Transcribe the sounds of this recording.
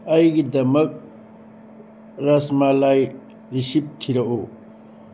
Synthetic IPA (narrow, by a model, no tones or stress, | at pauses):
ɐjɡid̪ɐmɐk̚ | ɾɐsmaːlaːj | ɾiɕip̚t̪ʰiɾɐʔoː